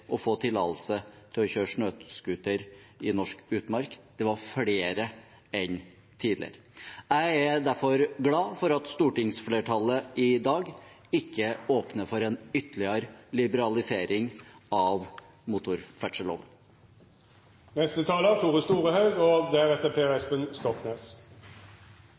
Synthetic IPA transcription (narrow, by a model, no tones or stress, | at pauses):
ʔɔfoːt̪ʰɪlɑ̰ːt̪l̩sət̪ʰɪlɔçøːʂɳøːt̪skʉt̪əɾɪnɔʂkʉːt̪mɑɾkd̪̥ɛʋɑɾfɽeːɾə | ɛn | t̪ʰiːd̪lɪ̰ə̰ɾə | æɪæd̪æɾfɔɾɡlɑːfɔɾɑt̪st̪uːʈɪŋsfleːʈʰɑlːəʔɪd̪ɑːɡ | ɪkːəoːpnəfɔɾɛːnʏt̪əlɪəɾlɪbəɾɑlɪseːɾɪŋɑʋ | mʊt̪ʊɾfæʈʂəlo̰ːʋən | nɛst̪ət̪ʰɑːlət̪ʰuːʁəst̪uːʁəhɑʉɔd̪æʁɛt̪ːəpʰeːɛspənst̪ɔkneːs